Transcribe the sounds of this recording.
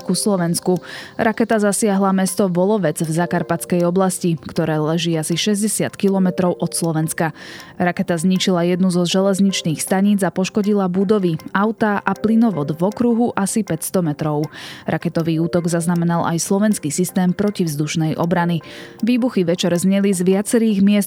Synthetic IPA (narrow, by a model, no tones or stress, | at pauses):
kuslɔʋɛnskuɾakɛt̪azasɪaɦlamɛst̪ɔʋɔlɔʋɛd͡zvzakaɾpat͡skɛjɔblascikt̪ɔɾɛːlɛʒiːasiʃɛzɟɛsɪat̪kilɔmɛt̪ɾɔʊʔɔt̪slɔʋɛnskaɾakɛt̪azɲit͡ʃilajɛd̪nuzɔʒɛlɛzɲit͡ʃniːxst̪aɲid͡zapɔʃkɔɟilabud̪ɔʋiaʊt̪aʔaplinɔʋɔd̪vɔkɾuɦuʔasipɛcst̪ɔmɛt̪ɾɔʊɾakɛt̪ɔʋiːuːt̪ɔɡzaznamɛnalʔa̰jslˠɔʋɛnskisist̪ɛːmpɾɔcivzd̪uʃnɛjʔɔ̰bɾaniʋiːbuxiʋɛt͡ʃɛɾzɲɛlizʋɪat͡sɛɾiːɣmɪɛst̪